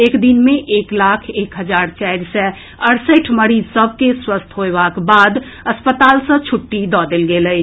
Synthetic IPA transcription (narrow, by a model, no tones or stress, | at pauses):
ekd̪inmeʔeklakʰekɦəd͡ʒaɾt͡ʃajɾsɛ | əɾsəʈʰməɾid͡ʒsəb̚ʱkeswəst̪ʰɦoebakbad̪ | əspət̪alsə̃t͡ʃʰuʈːid̪ɔd̪elɡelə